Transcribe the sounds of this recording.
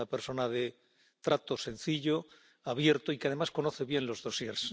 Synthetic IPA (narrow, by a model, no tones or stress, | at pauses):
apeɾso̞naðe | t̪ɾat̪o̞se̞nθiʎo̞ | aβje̞ɾt̪oikeaðe̞masko̞no̞θe̞βje̞nlo̞zðo̞sjeɾs